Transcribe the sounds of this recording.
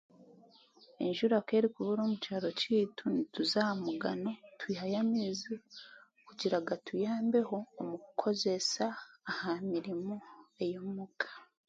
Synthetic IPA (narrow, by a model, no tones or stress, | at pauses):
ḛnʒuɾake̞ːɾikuβuɾo̞ːmucaɾo̞citʰunituzamuɡano̞twihajamizi | kuɟiɾaɡatʰujaːmbe̞ho̞ːmukʰo̞ze̞saːhamiɾimoe̞jomukʰḁ